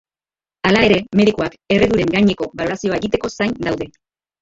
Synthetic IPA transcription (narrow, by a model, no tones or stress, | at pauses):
alae̞ɾe̞me̞ð̞ikuake̞re̞ðuɾe̞ŋɡajɲe̞ko̞βalo̞ɾasio̞ae̞ɣit̪e̞ko̞sajnd̪awðe̞